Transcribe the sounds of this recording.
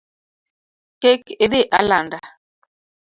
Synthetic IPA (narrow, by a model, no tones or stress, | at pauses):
kekeðeʔalanda